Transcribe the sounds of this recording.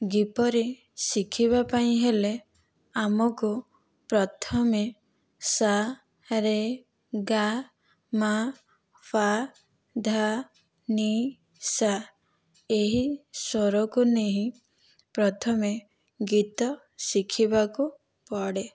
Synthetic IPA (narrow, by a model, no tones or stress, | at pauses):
ɡipɔɾe | sikʰiβapaĩɦele | amɔku | pɾɔt̪ʰɔme | sa | ɾe | ɡa | ma | pʰa | d̪ʱa | ni | sa | eɦisɔɾɔkuneɦĩ | pɾɔt̪ʰɔme | ɡit̪ɔ | sikʰibaku | pɔɽe